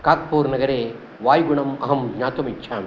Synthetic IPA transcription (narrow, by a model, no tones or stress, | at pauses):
kaːk̚poːɾnɐɣɐɾeː | ʋaːjɡʊɳɐmɐɦɐmɡɲaːt̪ɐmɪt͡ʃʰːaːn